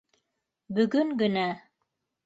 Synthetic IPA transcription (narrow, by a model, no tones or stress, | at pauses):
bɵ̆ɡɵŋɡɵ̆næ